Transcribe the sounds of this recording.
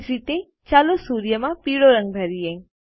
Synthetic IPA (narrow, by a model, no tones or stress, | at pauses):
d͡ʒit̪e | t͡ʃaːlosuːɾjəmãpiːɽoɾə̃ŋɡbʱəɾijẽ